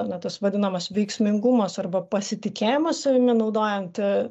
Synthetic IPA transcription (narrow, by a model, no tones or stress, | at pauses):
nʲɐt̪ɐsʋɐd̪ʲɪnɐmɐsʋʲɛɪksʲmʲɪŋɡʊmɐsɐrbɐpɐsʲɪt̪ʲɪkʲeːjɪmɐssɐʋʲɪmʲɪnɐʊd̪oːjɛnt̪ʲɪ